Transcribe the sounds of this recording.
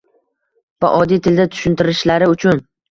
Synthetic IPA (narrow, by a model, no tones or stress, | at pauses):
va̰ʔɒd̪ijt̪ʰɪld̪at̪ʰʊ̥ʃʊnt̪ʰɪɾɪʃlaɾɪʊt͡ʃʰʊn